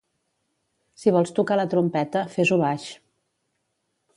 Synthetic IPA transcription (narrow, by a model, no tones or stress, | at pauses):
siβɔlˠst̪ukalət̪ɾumpɛt̪əfezuβaʃ